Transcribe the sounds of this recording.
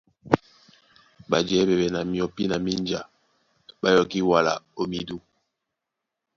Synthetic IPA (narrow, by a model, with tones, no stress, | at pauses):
ba˨d͡ʒɛ˨˦bɛ˨bɛ˨na˨mi˨ɔ˨pi˦na˨mi˦nd͡ʒa̰˨ | ba˦jɔ˨ki˦wa˨la̰˨o˨mi˨du˦